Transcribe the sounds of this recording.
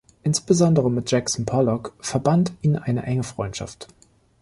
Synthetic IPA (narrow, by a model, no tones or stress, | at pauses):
ʔɪnsb̥əzɔndəʁəmɪt̚d͡ʒ̥ɛksɔn̩pʰɔlɔkfɛɐbantiːnnʔa̰ɪnəʔɛŋəfʁ̥ɔʏntʃa̰ft